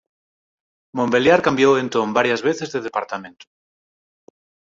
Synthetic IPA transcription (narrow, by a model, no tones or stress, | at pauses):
mõmbe̞ljaɾkambjowẽ̞nt̪ombaɾjazβeθe̞zðeðepaɾt̪amẽ̞nt̪u̥